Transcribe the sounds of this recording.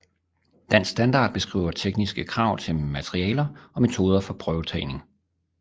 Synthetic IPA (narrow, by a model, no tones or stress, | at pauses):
d̥æn̰sd̥ænd̥ɑ̈ːd̥̚b̥e̝sɡ̥ʁḭːʊɐt͡sʰeɡ̥nisɡ̥əkʰʁɑ̈ʊ̰t͡sʰe̝lmæt͡sʰʁiɛ̰ːlɐʔɒ̽me̝t͡sʰo̝ːð̞ˠɐfɒ̽pʰʁœʊt͡sʰɛɪne̝ŋ